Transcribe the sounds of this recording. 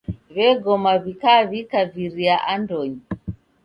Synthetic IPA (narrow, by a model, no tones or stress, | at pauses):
βɛɡɔmaβikaβikaviɾiaʔandɔɲi